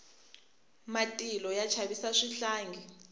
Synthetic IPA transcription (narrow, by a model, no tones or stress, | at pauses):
matʼilɔjat͡ʃʰaβisaʂiɬaːŋɡʱɛ